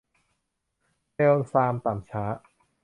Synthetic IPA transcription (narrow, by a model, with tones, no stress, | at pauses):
te˧wsaː˧mt̪aː˨˩mt͡ɕʰaː˦˥ʔ